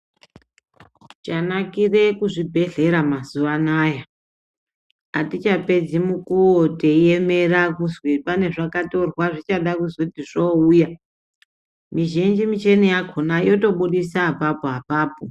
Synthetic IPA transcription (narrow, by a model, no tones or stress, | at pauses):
t͡ʃanakire̞kuʐibʱe̞ɮe̞ɾamazuʋanaːja | atit͡ʃape̞d͡zimukuoteeme̞rakuzwipane̞ʐakato̞rwaʐit͡ʃaɗakuzotiʐouja | miʒind͡ʒimit͡ʃenijakʰonajo̞to̞ɓuɗisapapoɦapaːpo